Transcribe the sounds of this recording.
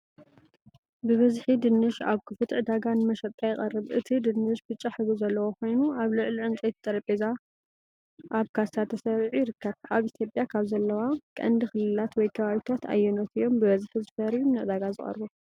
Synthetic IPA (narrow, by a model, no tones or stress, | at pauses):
bɨβɐzħid̪ɨnːɨʃa̰βkʰɨfɨt̪ʕɨd̪aɡanɨmɐʃɐt̪ʼːajɪχʼɐrːɨβʔɨt̪ʰid̪ɨnːɨʃbɨt͡ʃʼaħɨβuzɐlːɐwokʰo̞jnuaβlɨʕliʕɨnt͡sʼet̪t̪ʼɐɾɐpʼeza | ʔaβkʰast̪ʰat̪ʰːɐsɐɾʕujɪɾɨkʰːɐβaβit̪ʰjo̞pʼjakʰaβzɐlːɐwakʼɐ̰nd̪ɨxɨlɨlat̪wɔjkʰɐβaβit̪ʰat̪a̰jːɛnot̪ɨjːo̞mbɨβɐzħizɨfɐɾjumnɨʔɨd̪aɡazɨχʼɐ̰ɾbu